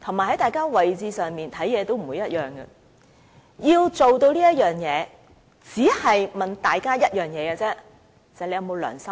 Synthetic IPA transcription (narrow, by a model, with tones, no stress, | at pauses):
t̪ʰo˨˩maː˨˩hɐ˨˥jt̪aː˨jkaː˥wɐ˨jt͡siː˧sœː˨ŋmiː˨nt̪ʰɐ˨˥jɛː˨˧t̪o˥wm̩˨˩wu˨˧jɐ˥t̚jœː˨ŋɡɐ̰˧ | jiː˧wt͡so˨wt̪o˧wliː˥jɐ˥t̚jœː˨ŋjɛː˨˧ | t͡siː˨˥hɐ˨jmɐ˨nt̪aː˨jkaː˥jɐ˥t̚jœː˨˩ŋjɛː˨˧ɡɐ˧t͡sɛː˥˨˩ | sle˧jɐ˨˧wmo˨˧wlœ̰ː˨˩ŋsɐ˥